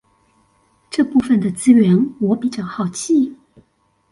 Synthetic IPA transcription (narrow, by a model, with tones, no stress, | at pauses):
ʈ͡ʂɤ˥˧pu˥˩fə˩nd̪ə˩t͡sɹ̩˥ɥɛ˧˥nwɔ˧˥pi˧˥t͡ɕjɑ˥˧˩ʊxɑ˨˩ʊt͡ɕʰi˥˩